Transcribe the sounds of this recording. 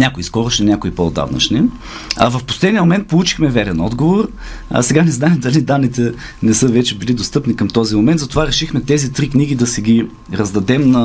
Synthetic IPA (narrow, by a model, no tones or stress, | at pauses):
nʲakʊiskɔɾoʃninʲakʊipod̪a̰vnɐ̰t͡ʃni | ɐ̰vɐfpo̥slɛd̪niəmomɛnt̪̚polˠut͡ʃi̥xmɛvɛɾɛnɔd̪ɡovor̰ | sɛɡanɛznaɛmd̪ɐlid̪anːit̪ɛ | nɛsɤvɛt͡ʃɛbilid̪ost̪ɤpnikəmt̪ɔzimomɛnd̪zɐt̪ovaɾɛʃixmɛt̪ɛzit̪ɾikniɡ̟id̪ɐsɛɡʲi | ɾɐzd̪ɐd̪ɛmnɐ